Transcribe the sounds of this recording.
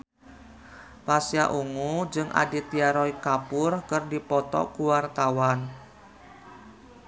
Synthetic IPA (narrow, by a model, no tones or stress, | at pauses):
pasja̰ʔuŋud͡ʒɨŋʔa̰dit̪iaɾɔikapʊrkərdipɔt̪ɔ̰kuwart̪awan